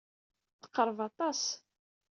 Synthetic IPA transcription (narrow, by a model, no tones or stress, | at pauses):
θə̥qːəɾˤvɑt̪ˤɑs